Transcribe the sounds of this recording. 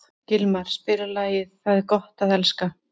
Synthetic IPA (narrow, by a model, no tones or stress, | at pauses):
cɪlmaɾ̥spɪɾalaːjɪðθaðkɔht̪aðɛlska